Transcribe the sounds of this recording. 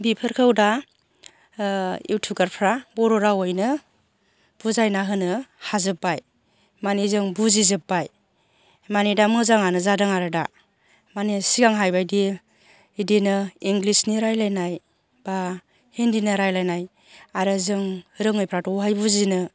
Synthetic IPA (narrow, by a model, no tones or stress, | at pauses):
bipʰɯɾkʰɯwda | ḭwtʰuɡaɾpʰɾabɔɾɔɾawojnɯ | b̥uzajnaɦɯnɯhazɯpːaj | manizɯŋbuzizɯpːaj | manidamɯzaŋanɯzadɯŋaɾɯda | manisiɡaŋɦajbajdi | dinɯiŋɡlisniɾajlajnaj | b̥a | hendinɯɾajlajnaj | aɾɯzɯŋɾɯŋɯjpʰɾatɔɦajbuzinɯ